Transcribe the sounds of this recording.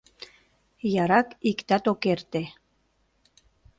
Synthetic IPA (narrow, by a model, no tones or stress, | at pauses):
jɑɾɑkikt̪ɑt̪okert̪e